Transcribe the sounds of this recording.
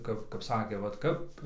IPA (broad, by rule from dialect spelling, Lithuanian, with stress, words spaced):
ˈkɐp kɐp ˈsɑːkʲeː ʋɐt ˈkɐp